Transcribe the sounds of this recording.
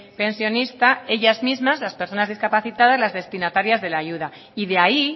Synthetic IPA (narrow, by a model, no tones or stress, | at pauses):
pe̞nsjo̞nist̪ae̞ʝazmizmazlaspeɾso̞nazð̞iskapaθit̪að̞azlazðe̞st̪inat̪aɾjazðe̞laʝuð̞a | iðeai